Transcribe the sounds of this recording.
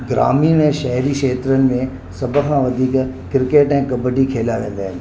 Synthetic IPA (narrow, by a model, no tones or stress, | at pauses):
ɡɾa̰ːmiɛ̃ːʃɐɦɾiʃeːt̪ɾənɪ̆mẽ | sɐbʱəkʰãʋɐd̪ʱiːk | kɪɾɪkeːʈɛ̃ːkɐbəɖikʰeːlaʋẽːn̆d̪aːɦɪnɪ̆